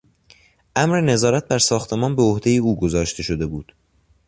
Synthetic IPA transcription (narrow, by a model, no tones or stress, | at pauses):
ʔæmɾe̞ne̞zɒːɾæt̪̚bæɾsɒːxt̪ʰe̞mɒːnbe̞ohd̪e̞jeuːɡozɒːʃt̪ʰe̞ʃo̞d̪e̞buːd̪̥